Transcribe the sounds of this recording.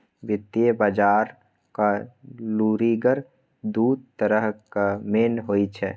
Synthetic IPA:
ʋɪt̪ijebaːd͡ʒaːɾ | kaluːɾiɡəɾ | d̪uːd̪̚t̪əɾəɦkameːnɦoːit͡ʃʰɛ

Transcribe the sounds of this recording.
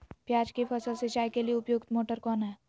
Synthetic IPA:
pjaːd͡ʒkepʰəsəlset͡ʃaːjkelieʊpjoːɡt̪moːʈəɾkɔːnɦɛː

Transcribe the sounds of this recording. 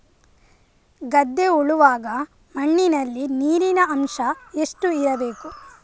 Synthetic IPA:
ɡɐd̪ːeuɭuʋaːɡɐ | mɐɳːinɐlːiniːɾinɐɐmʃɐe̞sʈuiɾɐbe̞ːku

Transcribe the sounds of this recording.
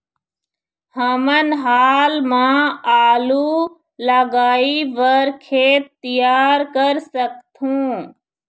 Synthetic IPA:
həmənɦaːlmãːaːluː | ləɡaːiʋəɾkʰeːt̪ːijaːɾkəɾsəkt̪ʰũː

